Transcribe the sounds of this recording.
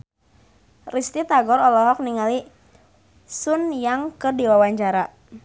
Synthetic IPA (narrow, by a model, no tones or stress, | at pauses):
rist̪it̪aɡɔɾɔlɔɦɔk̚niŋali | sunjaŋkərdiwawaɲt͡ʃaɾa